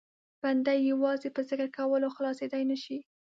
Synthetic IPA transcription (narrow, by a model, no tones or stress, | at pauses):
b̥and̪ajːawɑzepəzɪkəɾkawəloxlɑsed̪ajnaʃi